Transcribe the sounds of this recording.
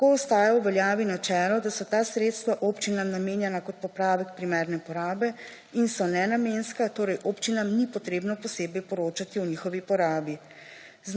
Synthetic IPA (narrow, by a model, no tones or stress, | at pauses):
koɔst̪aːjawʋɛljaːʋinat͡ʃɛːlɔd̪asɔt̪aːsɾeːt̪st̪ʋaʔopt͡ʃinamnameːnjɛnakɔt̪̚pɔpɾaːʋɛkpɾimɛːɾnɛpɔɾaːbɛ | insɔnɛnameːnskat̪oːɾɛjʔoːpt͡ʃinamnipɔt̪ɾeːbnɔpɔseːbɛjpɔɾoːt͡ʃat̪iwniːxɔʋipɔɾaːbi | z